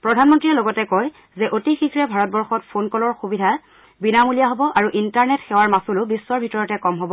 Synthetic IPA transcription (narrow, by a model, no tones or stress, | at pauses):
pɹɔdʱanmɔntɹiɛloɡɔtɛkɔj | zɛʔotixikɹɛbʱaɹɔt̚bɔɹxɔtpʰonkɔlɔɹxubidʱa | binamulijaɦɔbɔʔaɹuʔintaɹnɛtxɛwaɹmasulʊbisːɔɹbʱitɔɹɔtɛkɔmɦɔbɔ